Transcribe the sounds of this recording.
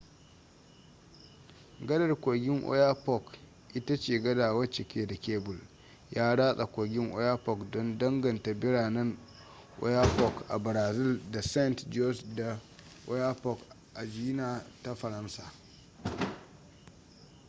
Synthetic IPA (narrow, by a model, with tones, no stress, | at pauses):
ɡɐ˦dɐ˨rkʷoː˨ɡʲɪ˦ŋʔɔ̰˦ja˦pɔ˦˨k | ʔɪ˦ta˦t͡ʃeː˨ɡɐ˦daː˨wɐ˦t͡ʃɪ˨kʲeː˦da˨kʲeː˦bʊ˨l | jaː˦ɽaː˦sʼa˨kʷo˨ɡʲɪ˦ŋʔɔ̰˦jaː˦pɔ˨kdɔ˦ndɐ˦ŋɡɐ˨nta˨bɪ˦ɽaː˨nɐ˦n | ʔɔ̰˦ja˦pɔ˦kʔa˨bɾaː˨zɪ˦lda˨sɛ˦ntd͡ʒɔ˦sda˨ | ʔɔ˦ja˦pɔ˦k | ʔa˨d͡ʒi˦naː˦ta˦ɸɐ˨ɾɐ˦nsaː˨